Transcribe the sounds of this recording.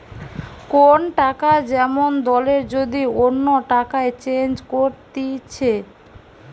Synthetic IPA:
konʈakad͡ʑɛmond̪ɔleɾd͡ʑod̪ionːoʈakaet͡ɕend͡ʑkoɾt̪it͡ɕʰe

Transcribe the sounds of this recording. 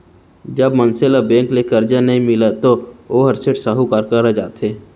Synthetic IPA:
d͡ʒəbmənselabẽːŋklekəɾd͡ʒanəɦĩmɪlat̪ooɦɐɾseʈsəɦukaɾkəɾəd͡ʒa̰ːt̪ɦeː

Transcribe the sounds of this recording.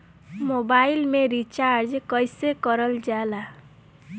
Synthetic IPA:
mobailmeɾit͡ʃaɾd͡ʒkʌjsekʌɾəld͡ʒala

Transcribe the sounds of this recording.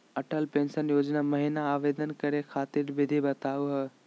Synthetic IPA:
ɐʈəlpẽːnʃənjoːd͡ʒnaməɦɪnaːʋeːd̪ənkɐɾekʰaːt̪iɾbɪd̪ʱibɐt̪aːuɦɛ

